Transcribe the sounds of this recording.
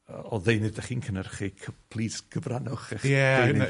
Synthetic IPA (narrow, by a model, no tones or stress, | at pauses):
ɔðejnɨdɛχiːnkʰənərχikʰəpʰlˠiːsɡ̥əvranɔχɛχɛejnɨ